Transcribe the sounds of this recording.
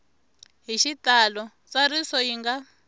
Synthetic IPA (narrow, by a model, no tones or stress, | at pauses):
ɦiʃitalɔ | t͡sarisɔiŋɡa